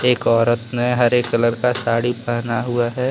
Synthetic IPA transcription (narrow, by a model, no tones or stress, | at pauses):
eːkɔːɾət̪meɦɐɾeːkːələɾkasaːɽipɐɦnaɦʊaɦɛː